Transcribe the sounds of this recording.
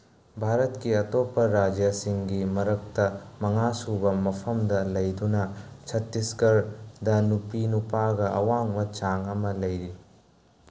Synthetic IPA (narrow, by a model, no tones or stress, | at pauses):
bʱaɾɐtkiɐtopːɐɾad͡ʒjɐsiŋɡimɐɾɐk̚tɐmɐŋasubɐmɐpʰɐmdɐlɐjdunɐt͡ʃʰɐtːiskɐɾdɐnupinupaɡɐʔɐ̰waŋbɐt͡ʃaŋɐmɐlɐjɾi